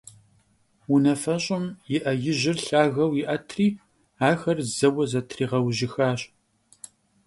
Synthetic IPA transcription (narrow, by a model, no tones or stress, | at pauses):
wʊnɐfɐɕʼɪmjɪʔɐjɪʑɪrɬaːɣɐwjɪʔɐtʰriː | aːxɐrzɐwɐzɐtʰriːʁɐwʒɪxaːɕʼ